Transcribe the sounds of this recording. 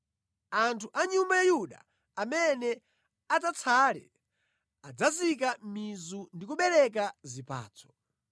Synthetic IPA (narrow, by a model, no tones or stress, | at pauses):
antʰuʔaɲumbajajuɗa̰ | amɛnɛ | atat͡sʰalɛ̰ | ad͡zazik̬amizundikuɓɛɾɛk̬azipa̰ːt͡sʰɔ̥